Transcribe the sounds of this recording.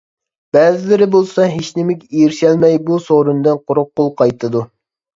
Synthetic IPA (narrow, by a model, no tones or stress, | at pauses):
b̥ɛːzɪlɪɾɪbolˠsɑɦeʃnɪmɪkʲijiɾʃɛlmɛjbusoɾund̪ɨnqʰoɾʊq̚ːolˠqʰɑjt̪ʰɨd̪u